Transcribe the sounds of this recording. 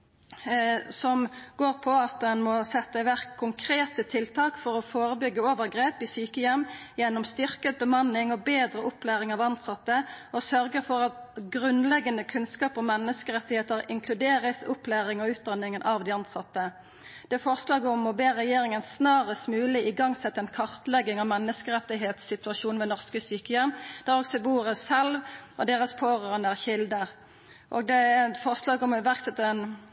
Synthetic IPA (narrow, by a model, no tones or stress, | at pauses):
sɔmɡoːʁpʰɔɑt̪̚d̪ɛnmɔsɛt̪ːəʋæʁkʰːʊŋkʰʁeːt̪ət̪ʰɪlt̪ʰɑːkfɔʁɔfoːɾəbʏɡːəoːʋəʁɡʁeːpɪsyːkəjɛmːjɛnːɔmst̪ʏʁkət̪̚bəmɑnːɪŋɔbeːd̪ɾəʊplæːʁɪŋɑʋɑnt̪sɑt̪ːəɔsœʁɡəfɔʁɑt̪ɡʁʉnlɛɡːənəkʰʉnskɑːpɔmɛnːəskəʁɛt̪ːɪheːt̪əɾɪŋkʰlʉd̪eːʁəsʊplæːʁɪŋɔʉːt̪̚d̪ɑnɪŋənʔɑʋd̪ɪɑnt̪sɑt̪ːə | d̪̥ɛæɾfɔʁslɑːɡəɔmɔbeːʁɛjeːɾɪŋənsnɑːʁəst̪mʉːlɪɪɡɑŋsɛt̪ːəɛnkʰɑʁt̪lɛɡːɪŋɑʋmɛnːəskəʁɛt̪ːɪɦeːt̪sɪt̪ʉɑʃuːnʋɛnɔʁskəsyːkəjɛmd̪̥æʁɔksɔbuːʁəsɛlʋʔɔd̪eːʁəspʰoːʁøːnəæʁçɪld̪əʁ | ʔo̰ːɡd̪ɛæfɔʁslɑːɡɔmɪʋæʁksɛt̪ːən